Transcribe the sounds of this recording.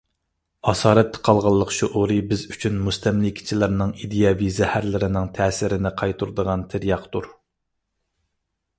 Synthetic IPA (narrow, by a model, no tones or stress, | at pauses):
ɑsɑːɾɛt̪ʰːɛ̥qʰɑlˠʁɑlˠːəqʃuʔoɾɨbɪzyt͡ʃʰynmust̪ɛmlikʲʰi̥t͡ʃʰilɪɾnɪŋid̪ijɑvizɛhæɾlɪɾɪnɪŋt̪ʰɛːsɪɾɪnɪqʰɑjt̪ʰuɾd̪əʁɑnt̪ʰɪɾijɑqt̪uɾ